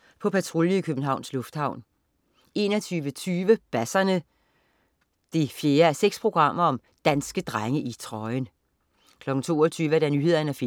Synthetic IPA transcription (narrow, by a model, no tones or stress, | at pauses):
pʰɒ̽pʰæt͡sʰʁoljiikʰøb̥n̩ɦɑ̈ʊ̰nslɔ̽fd̥hɑ̈ʊ̰n | e̝̰nɒt͡sʰyːʋət͡sʰyːʋəb̥æsɐnə | d̥efje̝ːɐæseɡ̥spʰʁo̝ɡ̥ʁɑ̈m̰ɐɒ̽m | d̥ænsɡ̥əd̥ʁaŋəʔit͡sʰʁɒ̽ɪn | kʰlɒ̽ɡ̥n̩t͡sʰo̝̰ːɒt͡sʰyːʋəæd̥ænyːhe̝ð̞̰ˠɐnəæfe